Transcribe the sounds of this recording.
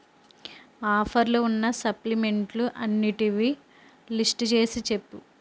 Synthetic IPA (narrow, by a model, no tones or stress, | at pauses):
aːpʰɐɾluunːɐsɐplime̞ɳʈluʔɐnːiʈiʋi | lisʈt͡ʃe̞ːsit͡ʃe̞pːu